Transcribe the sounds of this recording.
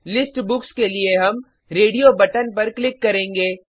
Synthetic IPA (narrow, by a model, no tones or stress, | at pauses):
lɪsʈbʊkskelieɦɐm | ɾeːɖijobɐʈənpɐɾklɪkːɐɾẽːŋɡeː